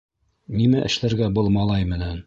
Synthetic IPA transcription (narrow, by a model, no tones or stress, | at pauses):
nimæʔɘ̆ʃlæɾɡæbɤlˠmɑlˠɑjmɘ̆næn